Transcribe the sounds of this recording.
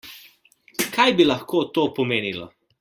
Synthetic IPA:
kajbilɐxkoːt̪oːpɔmeːnilɔ̰

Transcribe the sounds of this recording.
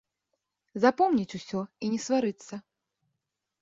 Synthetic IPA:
zapɔmnʲit͡sʲusʲɔinʲɛsvaɾɨt̪sːɐ

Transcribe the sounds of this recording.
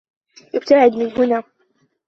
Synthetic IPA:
jɪbt̪aʕɪd̪mɪnɦʊnaː

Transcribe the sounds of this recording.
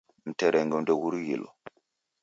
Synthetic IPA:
m̩tɛɾʔɛŋɡɛmdɛwuɾjilo̰

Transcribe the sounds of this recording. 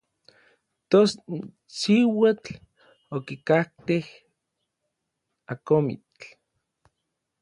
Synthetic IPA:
t̪os | siwat͡ɬ | okikaht̪eh | akomḭt͡ɬ

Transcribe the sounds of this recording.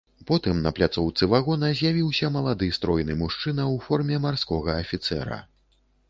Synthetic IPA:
pɔt̪ɨmnɐplʲat̪sɔwt̪sɨvaɣɔnɐzʲjavʲiwsʲɐmɐlˠad̪ɨst̪ɾɔjnɨmuʂt͡ʂɨnɐwfɔrmʲɛmarskɔɣɐːfʲit̪sɛ̰ɾɐ̰

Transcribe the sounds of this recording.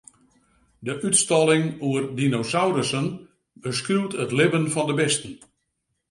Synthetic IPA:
dəʔytstɔlˠɪŋuərdinosawɾəsən | bəskrywtətlɪvənfɔndəbɪstən̩

